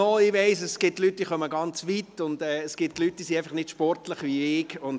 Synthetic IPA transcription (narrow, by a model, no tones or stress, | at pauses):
ɔɪʋɛɪsəsɡ̥ɪtlyt̚d̥iːχœməɡɑnt͡sʋitʊnd̥ɛːsɡ̥ɪt̚tlyt̚d̥iːsiæɪfɑχnɪdʃpɔɾtləχʋiɪɡʊn